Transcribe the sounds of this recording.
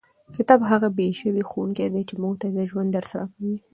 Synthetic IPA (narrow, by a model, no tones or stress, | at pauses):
kɪt̪ɑbɦaɣabeʃəwixowuŋked̪et͡ʃemuɡt̪ad̪əʒwand̪əɾsaɾakawi